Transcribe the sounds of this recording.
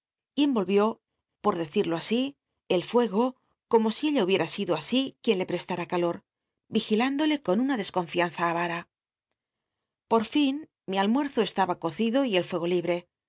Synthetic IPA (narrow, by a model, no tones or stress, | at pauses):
ie̞mbo̞lβjo | po̞ɾðe̞θiɾlo̞asi | e̞lfwe̞ɣo̞ | ko̞mo̞sie̞ʎauβje̞ɾasiðoasikje̞nle̞pɾe̞st̪aɾakalo̞ɾ | bixiland̪o̞le̞ko̞nunaðe̞sko̞ɱfian̟θaːβaɾa | po̞ɾfin | mialmwe̞ɾθo̞e̞st̪aβako̞θiðo̞ie̞lfwe̞ɣ̞o̞liβɾe̞